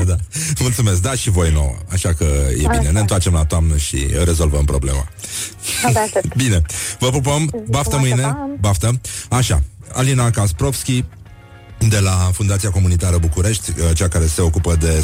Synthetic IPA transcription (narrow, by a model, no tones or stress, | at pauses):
d̪amult̪sume̞s̬k̚d̪aʃivo̞jno̞̰wə̰aʃakəje̞̰bine̞ne̞nt̪oart͡ʃe̞mlat̪oamnəʃḭəɾe̞zo̞lvəmpɾo̞ble̞̰ma̰ | bine̞vəpɾupombaft̪əmɨjnebaft̪əaʃa̰a̰linakaspɾo̞fskʲi | d̪e̞lafund̪at̪siako̞munit̪aɾəbukuɾe̞ʃt̪ʲət͡ʃeakaɾe̞se̞o̞kupəd̪e̞